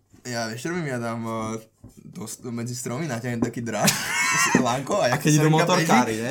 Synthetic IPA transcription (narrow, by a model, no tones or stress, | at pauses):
jaʋɛʃt̪ɾɔmimad̪am | t̪ɔsmɛd͡zist̪ɾɔminataɦɛt̪akid̪ɾaʃslaŋkɔajaakɛiumɔt̪ɔɾkaɾiɛ